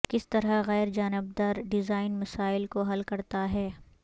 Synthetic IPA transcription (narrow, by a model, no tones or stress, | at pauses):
kɪst̪ɐɾɐɣɛːɾd͡ʒaːnɪb̚d̪aɾɖɪzaːɪnmɐsaːɪlkoɦɐlkɐɾt̪aɦɛː